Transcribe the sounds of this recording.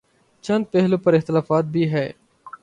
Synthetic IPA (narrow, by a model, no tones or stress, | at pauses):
t͡ʃɐ̃nd̪̚pɛɦlõːpɐɾɪxt̪ɪlaːfaːt̪̚bʱiːɦɛː